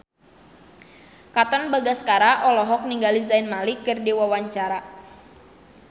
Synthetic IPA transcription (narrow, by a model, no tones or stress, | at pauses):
kat̪ɔnbaɡaskaɾaʔɔlɔɦɔk̚niŋɡalizaɪnmalikɨrdiwawaɲt͡ʃaɾa